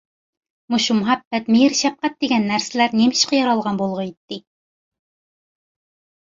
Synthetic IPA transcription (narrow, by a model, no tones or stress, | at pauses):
muʃumʊɦæbːæt̪miɾʃæp̚qæt̪̚d̪iɡʲɛnːæɾsɘlæɾnimiʃqəjɑɾɑlˠʁɑnbolˠʁɤit̪ːɪ